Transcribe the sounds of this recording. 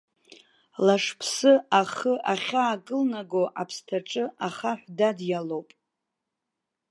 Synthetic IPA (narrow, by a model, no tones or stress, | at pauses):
laʂpʰsɨaχəʔaχʲaːkʼɨlnaɡoʔapʰstʰaʈ͡ʂʼɨaχaħʷdadjalowpʼ